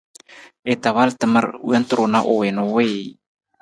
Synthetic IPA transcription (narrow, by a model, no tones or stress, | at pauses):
et̪awalt̪əməɾṵant̪ɾonaʔowenowej